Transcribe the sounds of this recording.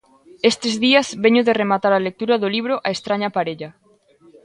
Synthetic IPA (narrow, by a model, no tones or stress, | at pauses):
est̪ezðiazβeɲoðeremat̪aɾalek̚t̪uɾaðoliβ̞ɾʊʔaest̪ɾaɲapaɾeʎa